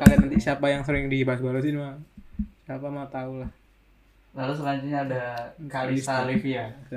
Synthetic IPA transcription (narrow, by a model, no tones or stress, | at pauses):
kalianant̪isiapajaŋsəɾɪŋdibasbalos̬inmasiapamat̪aulah | lalus̬əlaɲt͡ʃuɲaːdakaiisalɪfja